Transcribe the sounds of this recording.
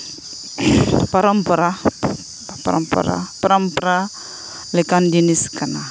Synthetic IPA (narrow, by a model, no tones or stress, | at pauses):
paɾampɔɾa | pa̰ɾa̰mpo̰ɾa̰paɾampɾa | lɛkandiniskana